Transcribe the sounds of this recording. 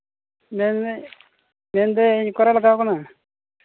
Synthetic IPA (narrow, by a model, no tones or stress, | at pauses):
men | mend̪ekɔɾalakaːkuna